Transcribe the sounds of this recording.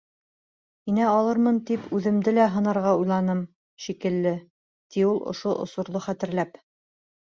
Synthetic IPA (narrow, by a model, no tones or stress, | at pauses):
inæɑlˠɤɾmɤnt̪ipʉðɘ̆md̪ɘlæɦɤ̆nɑɾʁɑujlˠɑnɤm | ʃikɘ̆lːɘ | t̪iulˠʔŏ̰ʃoʔŏ̰sŏɾlˠoχæt̪ɘ̆ɾlæp